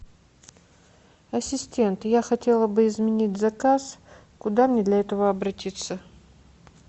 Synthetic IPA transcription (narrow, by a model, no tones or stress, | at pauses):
ɐsʲɪsʲtʲe̞nt̪jaxɐtʲe̞lˠəbɨɪzmʲɪnʲitʲzɐkas | kʊd̪amnʲed̪lʲɐɛt̪əvəɐbɾɐtʲit̪sə